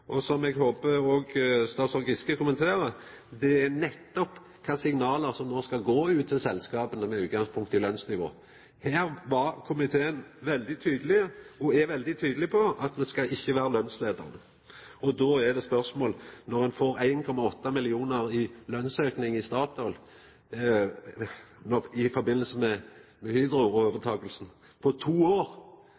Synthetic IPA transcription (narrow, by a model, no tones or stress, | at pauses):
ʔɔsɔmɛɡɦoːpəoːɡst̪ɑːt̪sɔɾɡɪskəkʊmənt̪ʰeːɾə | d̪ɛæɾnɛt̪ːɔp | kʰɑːsɪŋnɑːləɾsɔmnoːskɑɡoːʉːt̪ʰːɪlsɛlskɑːpənəmɛʉːt̪̚ɡɑŋspʰʊŋkt̪ːɪlœnsnɪʋo̰ː | hæːɾʋɑɾkʰʊmɪt̪ʰeːənʋɛld̪ɪt̪ʰyːd̪əlɪəɔɛʋɛld̪ɪt̪ʰyːd̪əlɪpʰɔɑt̪d̪ɛskɑʔɪçːəʋæːɾəlœnsleːd̪ə̰ɾnə | ɔd̪oːæd̪ɛspœɾsmoːlnɔɾɛnfoːɾæɪnkʰɔmɑɔt̪ːɑmɪlɪuːnəɾɪlœnsøːknɪŋɪst̪ɑːt̪ɔl | nɔɪfɔɾbɪnːəl̩səmɛ | mɛhyd̪ɾʊɔoːʋət̪ʰɑːɡəlsn̩ | pʰɔt̪ʰuːoːɾ